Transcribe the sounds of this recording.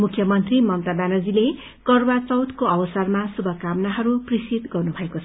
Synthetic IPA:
mukʰjʌmʌnt̪rimʌnt̪abanʌd͡zile | kʌrbat͡sʌwt̪koʌbʌsarmasubʱʌkamnaɦʌɾuprisit̪ɡʌrnubʱʌekot͡sʰ

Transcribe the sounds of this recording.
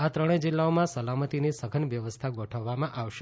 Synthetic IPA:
at̪ɾəɽ̃ẽd͡ʒɪlːaomãsəlamət̪inisəɡʱənʋjəʋəst̪ʰaɡɔʈʰəʋːamãʔaʋʃe

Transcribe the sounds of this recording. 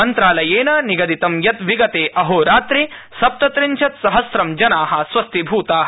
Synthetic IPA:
ɐnt̪ɾaːlɐjeːnɐniɡɐd̪it̪ɐmjɐt̪ʋiɡɐt̪eːʔɐɦoːɾaːt̪ɾisɐp̚t̪ɐt̪ɾiɲt͡ʃʰɐt̪sɐɦɐsɾɐmd͡ʒɐnaːɦɐ̆sʋɐst̪ʰibʱuːt̪aːɦɐ

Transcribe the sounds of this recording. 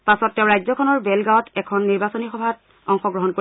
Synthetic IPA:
pasɔtːɛ̃ʊ̃ɹajzɔkʰɔnɔɹbɛlɡaɔtɛkʰɔnːiɹbasonixɔbʱat | ɔŋxɔɡɹɔɦɔnko

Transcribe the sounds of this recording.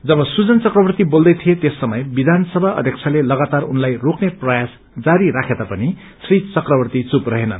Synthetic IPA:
d͡zʌbʌsud͡zʌnt͡sʌkrʌbʌrt̪ibold̪ʌjt̪ʰijet̪esːʌmʌjbid̪ʱansʌbʱaʔʌ̰d̪ʱjʌk̚t͡sʰalelʌɡat̪arunlajrokʰneprʌjas | d͡zaɾiɾakʰet̪apʌni | srit͡sʌkrʌbʌrt̪it͡suprʌɦenʌ̰

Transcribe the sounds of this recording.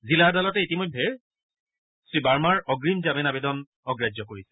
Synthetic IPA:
ziladalɔtɛitimɔjdʱːɛ | sɹibaɹmaɹɔɡɹimzamɛnabɛdɔn | ɔɡɹad͡ʒɔkoɹisɛ̥

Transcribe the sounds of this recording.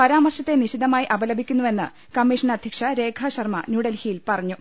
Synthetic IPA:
pɐɾaːmɐrɕɐt̪ːeniɕid̪ɐmaːjiʔɐbɐlɐbʱikʲːunːuʋe̞nːɨ | kɐmːiʂɐnɐd̪ʱjɐkʂɐɾe̞ːkʰɐɕɐrmɐ̰nuːɽɐlhiːjilpɐrɐɲːu

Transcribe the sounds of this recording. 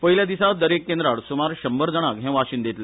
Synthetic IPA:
pəɦiljad̪isad̪əɾekːẽnd̪ɾaɽsumaɾɕəmbəɾd͡zəɽ̃akɦɛ̃ʋaɕind̪et̪le

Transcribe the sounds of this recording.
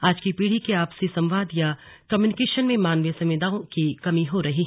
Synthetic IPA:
aːd͡ʒkipiːɽ̤ikiaːpsisɐ̃mʋaːd̪ja | kɐmjuːnɪkeːʃənmẽmaːnʋjəsɐ̃mʋid̪aːõkikɐmiɦoɾɐɦiː

